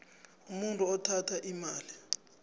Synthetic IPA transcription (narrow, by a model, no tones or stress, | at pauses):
umuntʼuɔtʰatʰaʔimaːli